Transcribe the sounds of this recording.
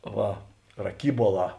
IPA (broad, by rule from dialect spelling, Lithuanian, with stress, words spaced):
ˈʋɐ rɐˈkʲiːbuɔˌlˠɑː